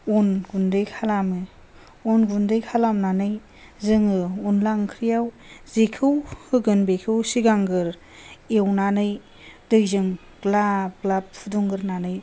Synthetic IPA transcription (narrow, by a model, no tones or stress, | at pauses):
onɡundɯjkʰalamɯ | onɡundɯjkʰalamnanɯj | zɯŋɯunlaŋkʰɾijaw | zekʰɯwhɯɡɯnbekʰɯwsiɡaŋɡɯɾ | ewnanɯj | dɯjzɯŋ | klab̚klap̚pʰuduŋɡɯɾnanɯj